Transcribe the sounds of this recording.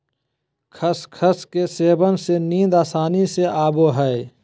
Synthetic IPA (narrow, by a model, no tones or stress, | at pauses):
kʰəskʰəskeseːbənsenĩːd̪aːsaːniseʔaːboɦɛe